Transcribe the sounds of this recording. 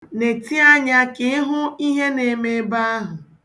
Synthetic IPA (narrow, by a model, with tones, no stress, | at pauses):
ne˨ti˦a˦ɲa˦kɪ˨˦ɪ˦ɦʊ˦i˦ɦe˦ne˨me˦ba˦a˦ɦʊ˨